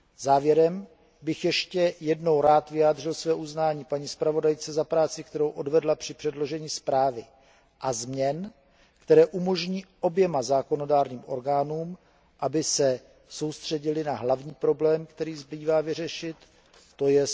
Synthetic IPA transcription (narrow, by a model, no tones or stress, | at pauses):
z̥aːvjɛɾɛm | bɪxjɛʃcɛjɛdno̞wɾaːt̪vɪjaːdr̝ɪlsvɛːʔuznaːɲiːpaɲiːspɾavo̞dajt͡sɛzapɾaːt͡sɪk̚t̪ɛɾo̞wʔo̞dvɛdlapr̝̥ɪpr̥ɛdlo̞ʒɛɲiːspɾaːvɪ | ʔazmɲɛn | kt̪ɛɾɛːʔumo̞ʒɲiːʔo̞bjɛmazaːko̞no̞daːɾɲiːmʔo̞̰ɾɡaːnuːm | ʔabɪsɛ | so̞wst̪r̝̥ɛɟɪlɪnaɦlavɲiːpɾo̞blɛːmkt̪ɛɾiːzbiːvaːvɪr̝ɛʃɪt̪ː | ojɛ